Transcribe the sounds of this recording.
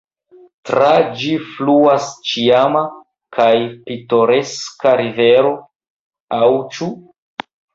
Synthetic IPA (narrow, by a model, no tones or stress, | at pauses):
tɾad͡ʒifluast͡ʃiama | kajpito̞ɾeskaɾive̞ɾo̞ | awt͡ʃu